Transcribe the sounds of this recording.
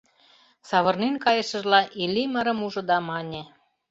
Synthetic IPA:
sɑβɤ̆rnenkɑjə̆ʃə̆ʒlɑʔilʲiməɾɤ̆muʒɤ̆d̪ɑmɑnʲe

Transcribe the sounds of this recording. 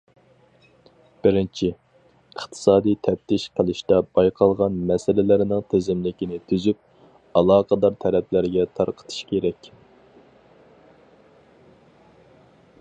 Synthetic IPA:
b̥ɪɾɪnt͡ʃʰi | əχt̪ʰɨ̥sɑːd̪ijt̪ʰɛp̚t̪ʰɪʃqʰəlˠɪʃt̪ɛbɑjqʰɑlˠʁɑnmɛsɪlɪlɪɾɪnɪŋt̪ʰezɪmlɪkʲinɪt̪ʰyzyp̚ | ɑlˠɑːqʰəd̪ɑɾt̪ʰɛɾɛpʰlɪɾɡʲɛt̪ʰɑɾqʰə̥t̪ʰɨ̥ʃkʲʰeɾɛkʲ

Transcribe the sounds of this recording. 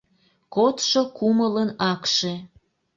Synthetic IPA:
kot̪ʃokumələnɑkʃe

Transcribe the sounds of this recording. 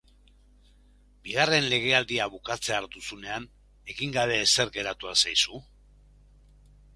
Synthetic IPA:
biɣ̞are̞nle̞ɣ̞e̞ald̪iaβukat͡se̞aɾt̪usune̞an | e̞ɣiŋɡaβe̞ːse̞ɾɡe̞ɾat̪uasajsu

